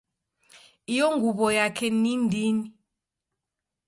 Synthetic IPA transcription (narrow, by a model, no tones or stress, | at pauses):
ijɔŋɡʱuβɔjakʰɛnindini